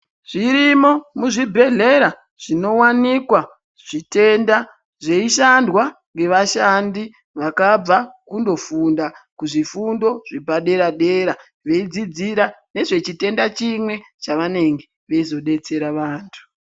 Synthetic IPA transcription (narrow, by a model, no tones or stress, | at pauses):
ʐ̥iɾimo̞muʐibʱe̞ɮe̞ɾa | ʐ̥ino̞wanikwa | ʐ̥ite̞nda | ʐe̞iʃandwaŋɡe̞ʋaʃandi | ʋakab͡vakundo̞fundakuʐifundo̞ʐ̥ibaɗe̞ɾaɗe̞ɾa | ʋe̞id͡zid͡ziɾane̞ʐe̞t͡ʃite̞ndat͡ʃimwe̞ | t͡ʃaʋane̞ŋɡe̞ | ʋeizo̞ɗe̞t͡se̞ɾaʋaːntʰu̥